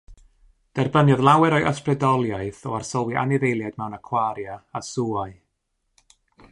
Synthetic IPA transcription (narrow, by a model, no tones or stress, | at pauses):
d̥ɛrbənjɔðlˠawɛɾɔɨʔəsprɛdɔlˠjaɨθɔarsɔlˠwiʔa̰nɪðejlˠjaɨdmɛwnakʰwaɾjaasuaɨ